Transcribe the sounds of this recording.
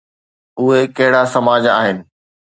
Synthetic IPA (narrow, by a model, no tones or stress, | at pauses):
ʊɦekɐɦɪɽasɐmaːd͡ʑa̰ːɦɪnɪ̆